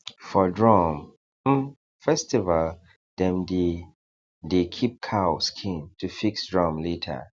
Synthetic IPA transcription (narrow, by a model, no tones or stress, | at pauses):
fɔdɹɔ̃m̩ | fɛstival | d̥ɛ̃mdi | dekʰip̚kʰawskʰĩntʰufiksdɹɔ̃mletʰə̰